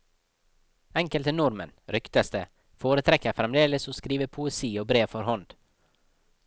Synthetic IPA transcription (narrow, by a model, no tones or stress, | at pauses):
ɛŋkəlt̪ənʊɾmə̰nɾʏkt̪əst̪ə | foːɾət̪ʰɾɛkəfɾɛmd̪eːləsoːskɾiːʋəpʰʊɛsiːoːbɾeːʋfɔɾhɔnd̪̥